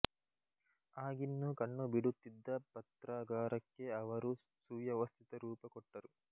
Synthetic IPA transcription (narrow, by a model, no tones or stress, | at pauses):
aːɡinːukɐɳːubiɽut̪ːid̪ːɐpɐt̪ɾaːɡaːɾɐkːe̞ɐʋɐɾusuːjɐʋɐst̪ʰit̪ɐɾuːpɐkɔʈːɐɾu